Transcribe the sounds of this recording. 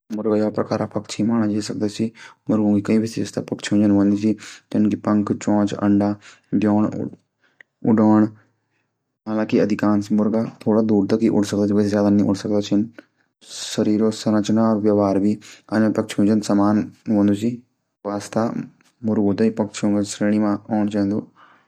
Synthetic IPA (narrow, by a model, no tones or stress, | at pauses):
mʊɾɡajapɾɐkaːɾapɐkt͡ʃʰimaːnad͡ʒeːsək̚d̪at͡ʃʰimʊɾɡõːɡikɐĩbɪsest̪a̰pɐkt͡ʃʰũd͡ʒənʋõːnd̪isit̪ɐnkipɐ̃ŋkt͡ʃɔ̃ːt͡ʃɐ̰ɳɖa | d̪joːɳ̰ | ʊ̰ɖaːɳ | ɦaːlãːkiɐd̪ʱɪkaːnsimʊɾɡat̪ʰoːɽad̪uːɾt̪akiʔʊɽsɐkd̪aːt͡ʃʰiʋəsezjaːd̪anĩʔʊɽsɐk̚d̪aːt͡ʃʰin | səɾiːɾosɐɾət͡ʃnaɔːɾʋjaʋaːɾbʱianãpɐk̚t͡ʃʰũːd͡ʒənsɐmaːnʋõːnd̪usi | ʋaːst̪a | mʊɾɡõːt̪aipɐkt͡ʃʰũːŋɡasɾeːɽ̃imãɔːɳt͡ʃãːnd̪uː